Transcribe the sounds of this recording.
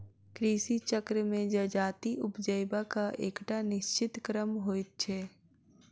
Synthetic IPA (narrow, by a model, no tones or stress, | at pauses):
kɾiːsit͡ʃəkɾəmẽd͡ʒəd͡ʒaːt̪iʔʊpd͡ʒəjbakaʔeːkʈanɪʃt͡ʃɪt̪kɾəmɦoːɪt̪̚t͡ʃʰɛː